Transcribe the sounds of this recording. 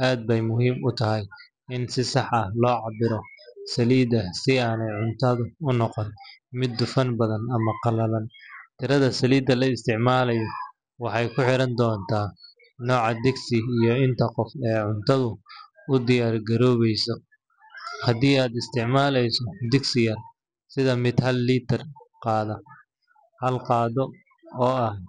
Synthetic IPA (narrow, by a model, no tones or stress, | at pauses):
ʔaːd̪̚bɛjmʊɦiːmʊt̪ʰɐɦɛj | ɪnsɪsɑħɐhlɔːʕɑbɪɾɔsɐliːd̪ɐsɪaːnɛjʕʊnt̪ʰɐðʊʊnɔqɔnmɪd̪ːʊfɐnbɐðɐnɐmɐqɑlɐlɐnt̪ʰɪɾɐðɐsɐliːd̪ɐlɐɪst̪ʰɪʕmaːlɐjɔ | wɑħɑjkʰʊħɪɾɐnd̪ɔːnt̪ʰaː | nɔːʕɑd̪ɪɡsɪijɔɪnt̪ʰɐqɔfɛːʕʊnt̪ʰɐðʊ | ʊd̪ɪjaːrɡɐɾɔːβɛjsɔ | hɐd̪iːaːd̪ɪst̪ʰɪʕmaːlɛjsɔd̪ɪɡsɪjɐr | sɪðɐmɪd̪hɐlːiːt̪ʰɐrqɑːðɐ | hɐlqɑːðɔ | ɔːɐh